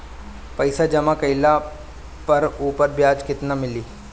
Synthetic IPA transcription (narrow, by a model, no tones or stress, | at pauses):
pɐɪsad͡ʒɐmakɐɪla | pɐɾuːpəɾbjaːd͡ʒkɪt̪namɪliː